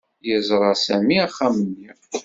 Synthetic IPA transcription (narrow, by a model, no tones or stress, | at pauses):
jəzˤɾˤɑsæmiæχːæmənːiʁ